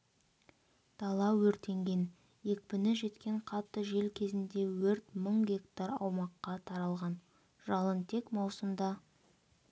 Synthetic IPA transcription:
t̪ʰɑlˠɑwɵɾt̪e̞ŋɡʲe̞n | je̞k̚pɪnɪʒe̞t̪kʲe̞ɴqʰɑt̪ːəʒe̞lkʲʰe̞zɪnd̪e̞wɵɾt̪məɴɡʲe̞kt̪aɾɑ̰wmɑqːɑt̪ʰɑɾɑlˠʁɑn | ʒɑlˠənt̪ʰe̞kmɑwsəmd̪ɑ

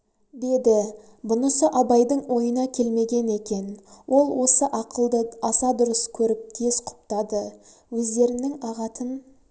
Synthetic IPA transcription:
d̪e̞d̪ɪ | bʊnəsəʔɑbɑjd̪əɴwo̞jənɑkʲʰe̞lme̞ɡʲe̞ne̞kʲe̞nwo̞lˠwo̞səʔɑqəlˠd̪əɑsɑd̪ʊɾəskʲʰɵɾɪp̚t̪ʰezqʰʊ̥p̚t̪ɑd̪ə | wɵzd̪e̞ɾɪnɪŋɑʁɑt̪ʰən

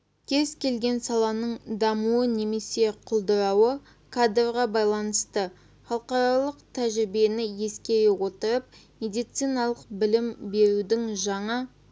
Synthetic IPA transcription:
kʲʰe̞zkʲʰe̞lɡʲe̞nsɑlˠɑnəɴd̪ɑmuəne̞me̞se̞qʰʊlˠd̪əɾɑwə | kʰad̪rʁɑbɑjlˠɑnəst̪ə | χɑlˠqɑɾɑlˠəqt̪ʰæʒɪɾbie̞nɪje̞skʲe̞ɾɪwo̞t̪əɾəp̚mʲe̞d̪ijt̪sijnɑlˠəq̚bɪlɪmbe̞ɾud̪ɪŋʒɑɴɑ

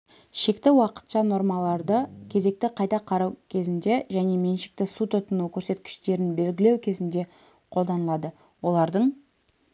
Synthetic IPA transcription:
ʃe̞kt̪ɪwɑqə̥t̪ʃɑno̞ɾmɑlˠɑɾd̪əkʲʰe̞ze̞k̚t̪ɪqʰɑjt̪ɑqʰɑɾɑwkʲʰe̞zɪnd̪e̞ʒæne̞me̞nʃɪ̥k̚t̪ɪsut̪ʊt̪ənukʲʰɵɾse̞t̪kʲɪ̥ʃt̪e̞ɾɪnbe̞lɡʲɪle̞wkʲʰe̞zɪnd̪e̞ | qʰo̞lˠd̪ɑnəlˠɑd̪ə | wo̞lˠɑɾd̪əɴ

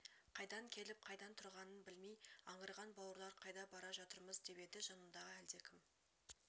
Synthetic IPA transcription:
qʰɑjd̪ɑŋkʲʰe̞lɪp̚qʰɑjd̪ɑnt̪ʰʊɾʁɑnənbɪlmejɑɴəɾʁɑnbɑwəɾlˠɑɾqʰɑjd̪ɑbɑɾɑʒɑt̪əɾməzd̪e̞pe̞d̪ɪʒɑnəmd̪ɑʁəæld̪ekʲʰɪm

